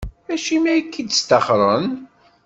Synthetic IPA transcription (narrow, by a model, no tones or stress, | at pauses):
æʃimæjkːid̪st̪ɑχɾˤən